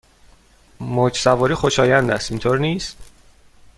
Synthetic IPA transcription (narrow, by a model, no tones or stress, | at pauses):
mod͡ʒsævɒːɾiːxo̞ʃɒːjænd̪æst̪int̪ʰoɾniːst̪